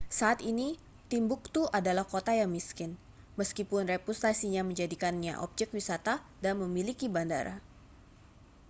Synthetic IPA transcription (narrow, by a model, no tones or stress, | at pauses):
saːt̪ini | t̪imbʊk̚t̪uʔadalahkot̪ajaŋmiskɪn | məskipʊnrepust̪asiɲaməɲd͡ʒadikanɲa̰ʔɔ̰p̚d͡ʒɛkwisat̪adanməmilikibandaɾa̰